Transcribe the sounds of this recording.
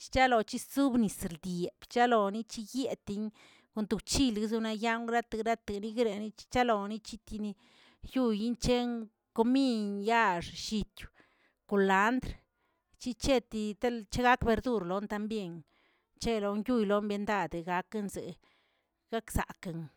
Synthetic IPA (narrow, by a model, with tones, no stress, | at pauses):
t͡ʃi̥˦t͡ʃa˦lo˨t͡ʃi˦su˦bni˨sɾd̪je˨b̥t͡ʃa˦lo˨ni˦t͡ʃi˦je˧t̪i˧ɲ | ko˧nt̪u˨t͡ʃi˧lɡzu˧na˧ja˦ŋɾa˦t̪a˨ɡɾa˦t̪e˨ɡni˧ɡɾe˨˧ni˦t͡ʃi̥˦t͡ʃa˦lo˨ni˦t͡ʃi˦t̪i˧ni˧ | ju˦˧ji˦nt͡ʃe˦ŋ | ko˧mi˦˧nja˦ʂʃi˧t̪u̥˨ | ko˨la˨˦nd̪ɾ | t͡ʃi˦t͡ʃe˦t̪i˧t̪a˦lt͡ʃe˦ɡa˦kbe˧ɾd̪u˧ɾlo˨˦nt̪a˧mbje˧˨ŋ | t͡ʃe˦lo˧ŋju˦˧˨jlo˨˦mbe˧nd̪a˧d̪e˨ɡa˧ke˧nzḛ˨ | ɡ̥a˦ksa̰˨ka˨ŋ